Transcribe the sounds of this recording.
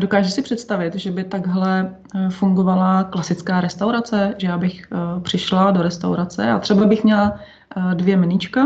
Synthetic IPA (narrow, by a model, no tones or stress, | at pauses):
do̞kaːʒusɪpr̥ɛt̪st̪avɪt̪ʒɛbɪt̪aɡɦlɛ | fuŋɡo̞valaklasɪt͡skaːɾɛst̪awɾat͡sɛʒɛjaːbɪxpr̝̥ɪʃlado̞ɾɛst̪a̰wɾat͡sɛ̰at̪r̥ɛbabɪxmɲɛla | dvjɛmɪnit͡ʃka